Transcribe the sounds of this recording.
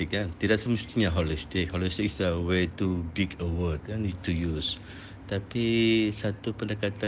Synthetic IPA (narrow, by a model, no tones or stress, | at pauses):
ɪk̚kant̪idaʔsəməst̪iɲaɦolist̪ɪk̚hɔlist̪ɪk̚sdəwetubikəwəd̚kanit̪ujus | t̪apisat̪upəndəkat̪a